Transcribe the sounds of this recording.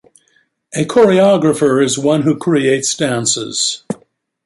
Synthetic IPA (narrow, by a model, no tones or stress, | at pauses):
ɨkʰɔɹiɑɡɹɨfə˞ɨzwʌ̃nɦʉkʰɹ̥ieɪtsd̥æ̃nsɪ̰z̥